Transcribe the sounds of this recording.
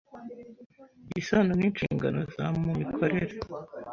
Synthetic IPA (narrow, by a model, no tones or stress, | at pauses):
bisanoniːnʃḭːŋɡa̰no̞̰zamumikʰo̞ɾeɾe